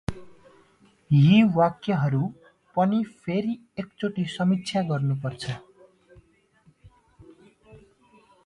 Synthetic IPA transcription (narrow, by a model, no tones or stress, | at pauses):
ɦiwakjaɦʌɾu | pʌnipʰeɾi | ek̚t͡soʈisʌmitt͡sʰjaɡʌrnup̬ʌrt͡sʰʌ